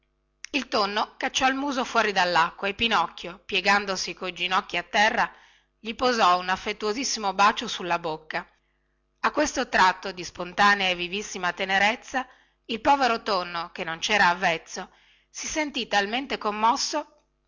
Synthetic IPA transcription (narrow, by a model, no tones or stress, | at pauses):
ilt̪onːokat͡ʃːɔilmuːzofwɔːɾid̪alːakːwaepːinɔkːjopjeɡand̪osikojd͡ʒinɔkːiat̪ːɛrːa | ʎipozɔunafːet̪ːuozisːimobaːt͡ʃosulːabokːa | akːwest̪ot̪ɾat̪ːod̪ispont̪aːneaevːivisːimat̪eneɾet̪sːa | ilpɔːveɾot̪onːokenːont͡ʃɛːɾaːvːɛt̪sːo | sisent̪it̪alment̪ekomːɔsːo